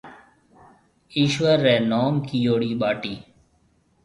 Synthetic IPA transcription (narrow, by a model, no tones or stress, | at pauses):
iːʃʋəɾːɛːnoːmkiːjoːɽiːɓaːʈiː